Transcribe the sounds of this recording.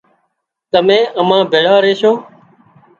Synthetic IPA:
t̪əmẽːʔəmãːbʱeːɽaːɾeːʃoː

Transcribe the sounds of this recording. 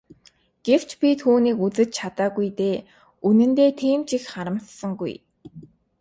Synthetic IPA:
ɡ̥ew̥t͡ɕpʲit̪ʰuːniːkut͡sɘ̆t͡ɕt͡ɕʰat̪aːɣujt̪eː | unɘ̆nt̪eːt̪ʰiːmt͡ɕixχaɾə̆mtsə̆ŋɡṵj

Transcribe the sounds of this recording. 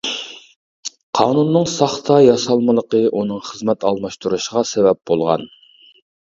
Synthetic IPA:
qʰɑːnunːɨŋsɑχt̪ʰɑjɑsɑlˠməlˠəqəʔunɨŋχəzmɛt̪ɑlˠmɑʃt̪ʰuɾuʃəʁɑsevɛp̚b̥olˠʁɑ̰n

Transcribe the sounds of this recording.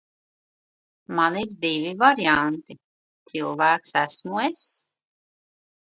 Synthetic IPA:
maniɾd̪ivivaɾiant̪i | t̪silˠvæːksæsmues

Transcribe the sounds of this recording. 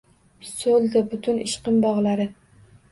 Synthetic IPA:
solˠd̪abʊt̪ʰʊnɪʃqɨmbɒʁlˠaɾɪ

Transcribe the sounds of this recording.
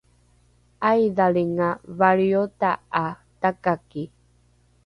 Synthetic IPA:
ajðaliŋaβaɾiot̪aa | t̪akaki

